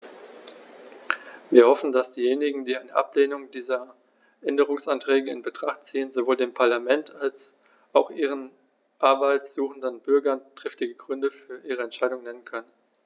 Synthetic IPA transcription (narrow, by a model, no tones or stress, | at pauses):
viːɐhɔfn̩dasd̥iːjeːnɪɡŋ̩diːaɪnəʔa̰pleːnʊŋdiːzɐ | ʔɛndəʁ̞ʊŋsantʁ̥ɛːɡəɪ̰nbətʁ̥aχt̚t͡siːənzovoːldeːmpʰaɐlamɛntʰals | ʔaʊxʔiːʁ̞ən | ʔaɐbaɪtsz̥uːχn̩dənbʏɐɡɐntʁ̥ɪftɪɡəɡʁʏndəfyːɐʔiːʁəɛntʃaɪdʊŋnɛnənkʰœnən